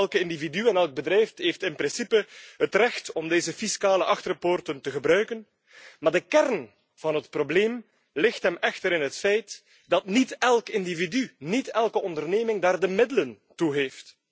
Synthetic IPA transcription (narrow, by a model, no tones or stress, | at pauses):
ɛlˠkəɪndividyɛnɛlˠɡ̚bədɾɛjftɦeftɪnpɾɪnsipəɦətrɛxtɔmdeːzəfiskaːləʔɑxtərəportəntəɣəbɾœɥkən | maːrdəkɛrn | v̥ɑnɦətprobleːm | lɪxtɦɛmɛxtəɾɪnɦətfɛjt | dɑtnitɛlˠkɪndividynitɛlˠkəɔndərneːmɪŋdaːrdəmɪdələn | tuɦeːft